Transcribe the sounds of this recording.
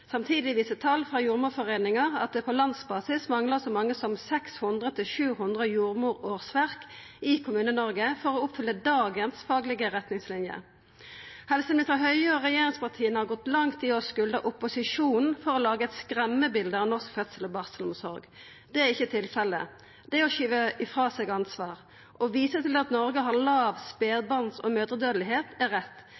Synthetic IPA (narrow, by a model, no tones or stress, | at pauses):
sɑmt̪ʰiːd̪ɪʋiːsət̪ʰɑlfʁɑjuːʁmuːfɔʁeːnɪŋɑʁɑ̰t̪̚d̪ɛpʰɔlɑnsbɑːsɪsmɑŋləsɔmɑŋːəsɔmsɛkshʊnd̪ʁət̪ʰɪlʃʉːhʉnd̪ʁəjuːʁmuːʁoːʁsʋæʁk | ɪkʰʊmʉːnənɔʁɡəfɔʁoʊpfʏlːəd̪ɑːɡənsfɑːɡlɪɡəʁɛt̪nɪŋslɪnjə̰ | hɛlsəmɪnɪst̪ʁəɦœʏəɔʁɛjeːʁɪŋspɑʁt̪ʰiːənhɑʁɡɔt̪lɑŋt̪ɪɔskʉld̪əʔʊpːʊsɪʂuːnnn̩fɔʁɔlɑːɡəɛt̪skʁɛmːəbɪld̪əɑːʋnɔʁskfœt̪səlɔbɑʁsəlʊmsɔɾɡ | d̪̥ɛæɪçːət̪ʰɪlfɛlːə̰ | d̪ɛɔʃyːʋəʔɪfʁɑːsɛɡɑnsʋɑːʁ | ʔɔʋiːsət̪ɪlɑt̪nɔɾɡəɦɑʁlɑːʋspeːd̪bɑnsɔ̰møːd̪ʁəd̪øːd̪lɪɦeːt̪æʁɛt̪ː